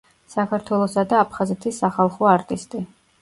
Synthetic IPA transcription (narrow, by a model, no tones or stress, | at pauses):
sakʰaɾt̪ʰwɛlˠɔsad̪aːpʰχazɛt̪ʰisːaχalˠχɔaɾt̪ʼist̪ʼi